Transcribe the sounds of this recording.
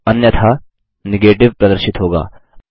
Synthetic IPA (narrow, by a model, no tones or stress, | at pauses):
ɐnjɐt̪ʰa | neɡeːʈɪʋpɾɐd̪əɾʃɪt̪ɦoːɡa̰ː